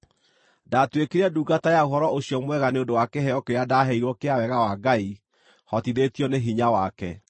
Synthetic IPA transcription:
datwekeɾɛduːɡatajaoɦɔɾɔʔoɕiɔmwɛɣaneondowakeɦɛɔkeɾeadaɦɛiɾwɔkeawɛɣawaɡai | hɔtiðetjɔneɦiɲawakɛ̰

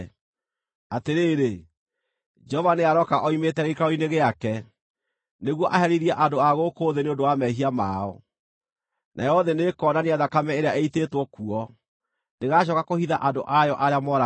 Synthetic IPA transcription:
ateɾeːɾe | d͡ʒɛhɔvaneaɾɔkaʔɔimetɛɣekaɔineɣeakɛ | neɣwɔʔaɦɛɾiɾiaʔadoaɣokoːðeneondowamɛhiamaɔ | nʔa̰jɔðenekɔːnaneɛðakamɛeɾeaeiteːtwɔkuɔ | neɣaɕ̬ɔkakohiðaʔadoʔajɔʔaɾeamɔɾa

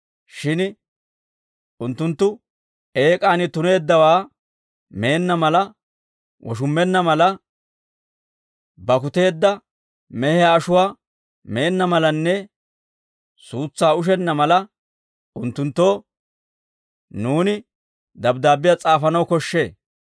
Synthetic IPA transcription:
ʃɪn | ʊnt̪ːʊnt̪ːʊ | e̞ːkʼaːnɪt̪ʊne̞ːd̪ːɐwaː | me̞ːnːɐmɐlɐ | wʔɔ̰ʃ̬ʊmːɛnːɐmɐlɐ | bɐkʊt̪e̞ːd̪ːɐ | mɛhɛjaːʃʊwaː | me̞ːnːɐmɐlɐnːɛ | suːt͡sːaːʊʃ̬ɛnːɐmɐlɐ | ʊnt̪ːʊnt̪ːo̞ː | nuːnɪ | d̪ɐbd̪aːbɪjat͡sʼaːfɐnɐwkɔʃːe̞ː

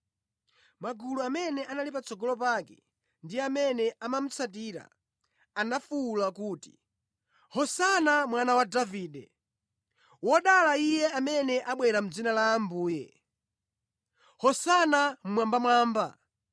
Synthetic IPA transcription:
maɡuluamɛnɛʔanalipat͡sɔɡɔlɔpakɛ | ndiamɛnɛamam̩t͡sʰat̬iːɾa̰ | anafulakuːtḭ | hɔsanamwanawadaviːɗɛ̰ | wɔɗalaijɛamɛnɛʔaɓwɛɾam̩d͡zinalaːmbuːjɛ | hɔsanam̩mwambamwaːmba̰

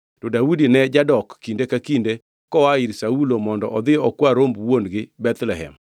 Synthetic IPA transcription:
todaudinɛd͡ʒadɔkːindekakinde | kɔaiɾsaulomɔndɔʔɔd̪ɪɔkwaɾombwonɡɪbɛt̪lɛɦɛ̰m

